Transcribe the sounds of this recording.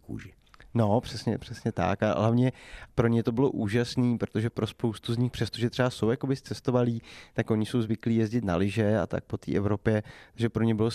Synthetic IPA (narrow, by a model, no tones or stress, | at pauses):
kṵːʒɪ | no̞pr̥ɛsɲɛ̰pr̥ɛsɲɛt̪a̰ka̰ɦlavɲɛpɾo̞ɲɛt̪o̞bɪlo̞ʔuːʒasniːpɾot̪o̞ʒɛpɾo̞spowst̪uzɲɪxpr̥ɛst̪o̞ʒɛt̪r̥ɛvaso̞wjako̞bɪst͡sɛst̪ovaliːt̪akʔo̞ɲɪso̞wzvɪkliːjɛzɟɪt̪na̰lɪʒɛa̰t̪a̰k̚po̞t̪ḭːʔɛvɾo̞pjɛt̪aɡʒɛpɾo̞ɲɛbɪlo